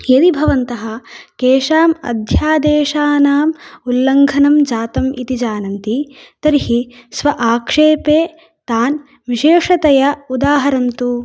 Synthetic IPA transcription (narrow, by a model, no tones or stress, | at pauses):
jɐd̪ibʱɐʋɐnt̪ɐɦɐ̆keːʂaːmɐ̰d̪ʱjaːd̪eːʂaːnaːmulːɐŋɡʱɐnɐmd͡ʒaːt̪ɐmḭt̪id͡ʒaːnɐnt̪it̪ɐɾihisʋɐʔaːkʂeːpeː | t̪aːn | ʋiʃeːʂɐt̪ɐjɐud̪aːɦɐɾɐnt̪u